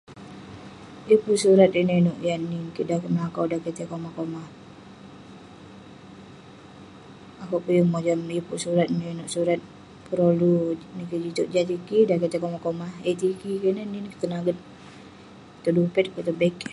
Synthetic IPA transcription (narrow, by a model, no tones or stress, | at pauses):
ipuʔsuɾat̪inəinuʔjaninkidakəməlakawdaket̪ekomakomah | akuʔpujəmod͡ʒamipuʔsuɾat̪inəinʊʔsuɾat̪̚ | pəɾolunikəd͡ʒit̪uʔ̚d͡ʒat̪̬ikidaket̪ekomakomahet̪ikikənəninkt̪ənaɡət̪̚ | t̪ədupɛt̪̚kət̪əbɛk